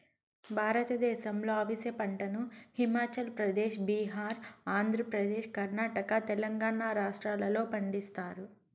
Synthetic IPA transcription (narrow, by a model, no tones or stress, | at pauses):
bʱaːɾɐt̪ɐd̪ɛːʃɐmlo̞ːɐʋisepɐɳʈɐnuhimaːt͡ʃɐlpɾɐd̪eːʃbiːɦaːɾaːnd̪ʱɾɐpɾɐd̪eːʃkɐɾnaːʈɐkɐt̪ɛlɐŋɡaːɳaːɾaːʂʈɾaːlɐlo̞ːpɐɳɖist̪aːɾu